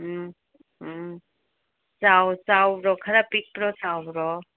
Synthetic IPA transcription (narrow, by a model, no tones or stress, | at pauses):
sawsawɾɔkʰɐɾapik̚pɾɔsawɾɔ